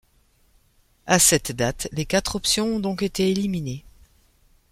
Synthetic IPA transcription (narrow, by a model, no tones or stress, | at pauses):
asɛt̪d̪at̪lekat̪χɔpsjɔ̃ɔ̃d̪ɔ̃ket̪eelimine